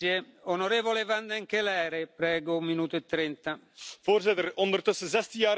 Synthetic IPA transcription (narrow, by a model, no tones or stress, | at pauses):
jeonoɾeːvolevand̪ɛŋkelɛːɾepɾɛːɡoumːinuːt̪ʊet̪ːɾɛnt̪a | v̥oːrzɪt̪əɾɔnd̪ərt̪ɵsəzɛst̪əjaː